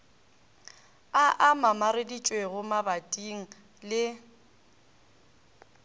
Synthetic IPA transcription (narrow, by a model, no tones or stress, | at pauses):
aʔamamaɾedit͡ʃʼweɣʊmabatʼiŋ̩ | lɪ